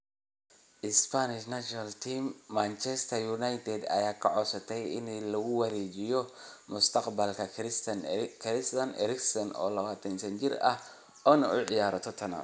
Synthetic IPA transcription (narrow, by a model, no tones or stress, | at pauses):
ʔɪspʰanɪʃnaʃɔnalt̪ʰiːmːant͡ʃɛst̪ʰɐjunajt̪ʰɛd̪ɐ̰jaːkʰɐʕɔsɐt̪ʰɛjɪ̰nlɐɣʊwɐɾɛːd͡ʒɪjɔmʊst̪ʰɐqbɐlkʰɐɾskʰɾɪst̪ɐnʔɛ̰ɾɪksɔnɔ̰ːlɐβaːt̪ʰɐnsɐnt͡ʃɪɾɐh | ʔɔːnɐ̰ʔʊʕɪjaːɾɐt̪ʰɔt̪ʰɐna̰